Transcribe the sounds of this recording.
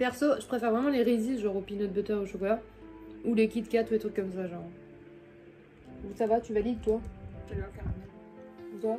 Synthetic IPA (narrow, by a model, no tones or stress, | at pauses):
pɛʁsoʒəpχefɛʁvʁɛmɑ̃leʁiziʒɑ̃ʁopinɔd̪̚bøt̪œʁoʃokɔla | ulekʲid̪kʲat̪ulet̪χykːɔmsaʒɑ̃ʁ | usavat̪yvalid̪t̪waʒaliãkaanɛ̃ | uza